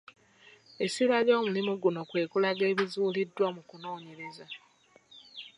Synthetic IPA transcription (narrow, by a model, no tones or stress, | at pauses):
e̞silwajo̞ːmulimuɡuno̞kwe̞ːkulaɡe̞ːβizuːlidːwamukuno̞ːɲe̞ɾe̞za